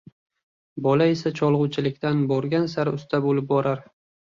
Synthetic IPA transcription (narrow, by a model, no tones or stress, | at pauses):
bɒlae̞sat͡ʃʰɒlˠʁʊt͡ʃʰɪlɪkʲt̪anbɒɾɡʲansaɾʊst̪ʰabolɪp̚bɒɾaɾ